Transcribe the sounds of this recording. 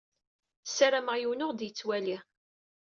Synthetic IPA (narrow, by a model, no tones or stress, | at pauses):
saɾaməʁjuwnʊʁd̪jət͡sːwæli